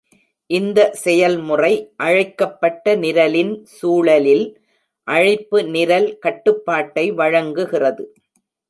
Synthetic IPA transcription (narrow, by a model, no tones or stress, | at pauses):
ʔɪnd̪ɐsɛjɐlmʊrɐɪʔɐɻɐɪkːɐpːɐʈːɐnɪɾɐlɪnsuːɭɐlɪl | ʔɐɻɪpːɯnɪɾɐlkɐʈːɯpːaːʈːɐɪʋɐɻɐŋɡɯɣɪrɐðɯ